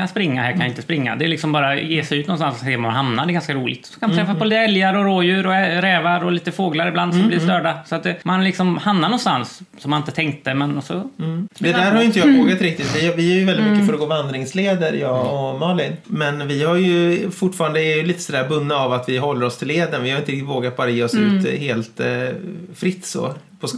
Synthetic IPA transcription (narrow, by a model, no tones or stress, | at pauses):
anspɾɪŋːa̰ɦæːɾkʰanjɪɪnt̪əspɾɪŋːa̰d̪ɛɛɾɭɪksɔmbɑːɾajeːsɛjʉt̪nɔnst̪ansseːmamanɦamnad̪ɛɡanskaɾuːlɪɡt̪sɔ̥kʰanmnt̪ɾɛfaspɔliːt̪ɛljaɾɔɾoːjʉ̟ːɾɔɾɛːvaɾɔliːt̪əfoːɡlaɾɪbland̪sɔmblɪːst̪œːɖasɔat̪̚d̪ɛmanlɪksɔmhamnaɾnɔnst̪ansː | ɔmːanɪnt̪ət̪ʰɛŋk̚t̪əmɛnɔsɔd̪ɛd̪æːɾhaɾjʏɪnt̪əjɑːvoːɡat̪ɾɪk̚t̪ɪt̪vɪvɪæjɵvɛlɪmkːəfœɾɔɡoːvand̪ɾɪŋsleːd̪əɾjɑːɔmɑːlɪnmɛnvɪhaɾjɵfʊʈːfɑːɾand̪əɛɾjɵliːt̪ə̥sɔd̪æːɾbɵnːəavat̪vɪɦɔlːəɾɔst̪ʰɪlːeːd̪ənvɪhaɾʏɪnɾɪkt̪ɪt̪voːɡat̪̚bɑːɾajeːɔsʉ̟ːt̪heːlt̪ | fɾɪt̪ːsɔ̰ | pʰɔs